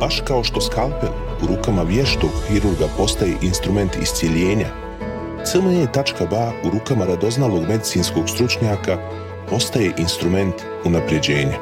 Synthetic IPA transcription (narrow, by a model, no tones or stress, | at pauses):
baʃkao̞ʃt̪o̞skalˠpe | uɾuːkamaʋjeʃt̪o̞ɡxiɾuɾɡapo̞st̪aje̞ʔinst̪ɾume̞nt̪ḭst̪sʲjeʎeːɲa | t̪səmoɲet̪at͡ʃkabauɾuːkamaɾad̪o̞znalo̞ɡme̞d̪it̪siːnsko̞ɡst̪ɾut͡ʃɲaːka | po̞st̪aje̞ʔinst̪ɾume̞nt̪ | unapɾje̞d͡ʑe̞ːɲa